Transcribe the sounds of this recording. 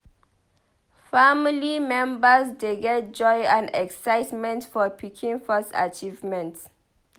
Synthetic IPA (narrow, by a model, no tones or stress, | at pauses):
familimɛ̃mbəsdeɡɛt̚d͡ʒɔjãnɛksaɪtmɛ̃ntfɔpʰikʰĩnfɔsa̰t͡ʃivmɛ̃nt